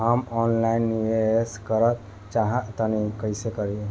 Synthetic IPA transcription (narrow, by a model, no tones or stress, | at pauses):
ɦəmɔnlainːiʋeskəɾət̪ | t͡ʃaɦət̪ənikəɪsekəɾiẽ